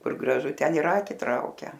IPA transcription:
ˈkʊr ɡrɐˈʒʊ ˈtʲɛn ɪr ˈɑːkʲɪ ˈtrɐʊkʲɛ

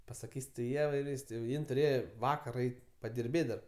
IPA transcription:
pɐsɐˈkʲiːsʲ tɐɪ ˈiɛʋɐɪ ɪr ˈʋʲiːsks tʲɪ jɛʊ ˈjɪn tʊˈrʲeːjɛ ˈʋɑːkɐr ˈɛɪtʲ pɐdʲɪrʲˈbʲeːtʲ dɐr

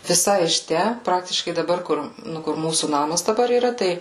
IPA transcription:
ʋʲɪˈsɐɪ ɪʃ ˈtʲæ ˈprɑːktʲɪʃkɐɪ dɐˈbɐr ˈkʊr ˈnʊ kʊr ˈmuːsuː ˈnɑːmɐs dɐˈbɐr iːˈrɐ ˈtɐɪ

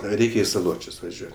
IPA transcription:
ˈrʲɛɪkʲɛ ɪ sɐˈlˠoːt͡ʃʲʊs ʋɐˈʒʲuɔtʲ

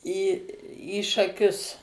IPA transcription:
iː iː ʃɐˈkʲʊs

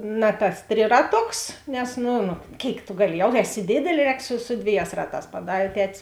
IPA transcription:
ˈnɐ tɐs ˈtʲrʲɪrɐˌtoːks nʲɛs ˈnʊ nʊ ˈkʲeːɪk tʊ ˈɡɑːˌlʲɪ ˈjɛʊ ˈæːˌsʲɪ ˈdʲeːdʲɛlʲeː ˈrʲɛːk sʊ sʊ ˈdʲʋʲeːˌjæːs ˈrɑːˌtɑːs pɐˈdɑːrʲeː ˈtʲæːtʲɪs

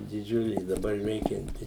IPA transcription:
dʲɪˈd͡ʒʲʊlʲeː ɪ dɐˈbɐr ˈʋʲɛɪkʲɛnʲtʲɪ

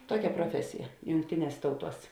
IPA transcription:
ˈtuɔkʲɛ proːˈfʲæːsʲɪjɛ jʊŋkˈtʲɪˌnʲiɛs ˈtɐʊˌtuɔs

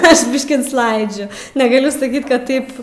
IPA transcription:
ˈɐʃ ˈbʲɪʃʲkʲiː nʊsˈlˠɐɪd͡ʒʲʊ nʲɛɡɐˈlʲʊ sɐˈkʲiːt kɐt ˈtɐɪp

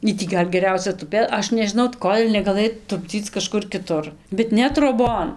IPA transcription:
ˈiː tʲiː ˈɡɐlʲ ɡʲɛˈrʲɛʊsʲɛ tʊˈpʲeː ˈɐʃ nʲɛʒʲɪˈnɐʊ ˈkoːlʲ nʲɛɡɐˈlˠɘj tʊbʲˈd͡zʲiːt͡s kɐˈʃkʊr kʲɪˈtʊr bʲɛt ˈnʲɛ troːˈboːn

